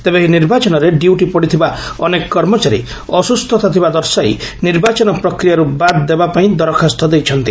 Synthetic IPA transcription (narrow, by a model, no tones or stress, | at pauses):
t̪ebeɦiniɾbat͡ʃɔnɔɾeɖiuʈipɔɽit̪ʰibaɔnekɔkːɔɾmɔt͡ʃaɾḭ | ɔsust̪ʰɔt̪at̪ʰibad̪ɔɾsajniɾbat͡ʃɔnɔpɾɔkɾijaɾubad̪d̪ebapaĩd̪ɔɾɔkʰast̪ʰɔd̪ejt͡ʃʰɔnt̪i